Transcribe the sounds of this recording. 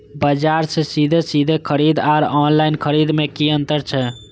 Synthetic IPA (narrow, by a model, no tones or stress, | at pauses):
bəd͡ʒaɾsesid̪ʱesid̪ʱekʰəɾid̪aɾɔnlaɪnkʰəɾid̪mekiənt̪əɾt͡ʃʰɛ